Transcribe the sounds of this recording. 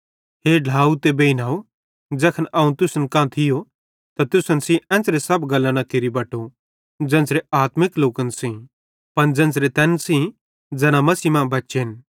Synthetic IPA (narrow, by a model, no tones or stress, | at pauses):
ɦeːɖʱaːut̪ebeːinaːo | d͡zɛːkʰənɐːũt̪ʊsənkãːt̪ʰɪjo | t̪at̪ʊsənsĩʔɛ̃ːnt͡sɾesɐbɡɐlːãnakɪɾibɐːʈo | d͡zɛ̃ːsɾeaːt̪mɪkloːkənsĩ | pɐnd͡zɛ̃ːnt͡sɾet̪ɛːnsĩ | d͡zɛːnamɐsiːmãbɐtːʃeɦɪn